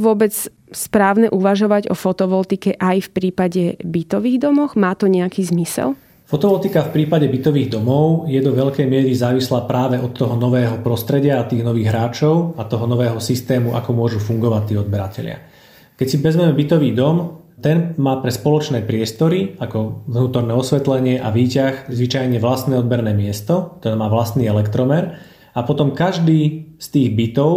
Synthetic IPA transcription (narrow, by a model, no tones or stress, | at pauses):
ʋʊɔbɛt͡s | spɾaːʊnɛʔuʋaʒɔʋaɟɔ̰fɔt̪ɔʋɔlt̪ikɛʔajfpɾiːpaɟɛbit̪ɔʋiːɣd̪ɔmɔxmaːt̪ɔɲɛakiːzmisɛ̰l | fɔt̪ɔʋɔlt̪ikafpɾiːpaɟɛbit̪ɔʋiːɣd̪ɔmɔʊjɛd̪ɔʋɛʎkɛjmɪɛɾizaːʋislaːpɾaːʋɛʔɔt̪ːɔɦɔnɔʋɛːɦɔpɾɔst̪ɾɛɟɪaːt̪iːɣnɔʋiːɣɦɾaːt͡ʃɔʊat̪ɔɦɔnɔʋɛːɦɔsist̪ɛːmuʔa̰kɔmʊɔʒufuŋɡɔʋact̪ːiːɔd̪̚bɛɾacɛ̰ʎɪa̰ | kɛcsiʋɛzmɛmɛbit̪ɔʋiːd̪ɔm | t̪ɛnmaːpɾɛspɔlɔt͡ʃnɛːpɾɪɛst̪ɔɾiakɔʋnuːt̪ɔɾnɛːɔsʋɛt̪lɛɲɪɛʔaʋiːcaxzʋit͡ʃajɲɛʋlast̪nɛːɔd̪̚bɛɾnɛːmɪɛst̪ɔkt̪ɔɾɛːmaːʋlast̪niːɛlɛkt̪ɾɔmɛɾ | apɔt̪ɔmkaʒd̪iːst̪iːɣbit̪ɔʊ